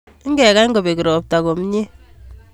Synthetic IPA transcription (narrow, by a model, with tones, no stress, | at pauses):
ŋ˦ɡɛ˨ka˦ŋɡo˨be˨ki˨ɾɔ˨p̚ta˨ko˨m˦ɲe˦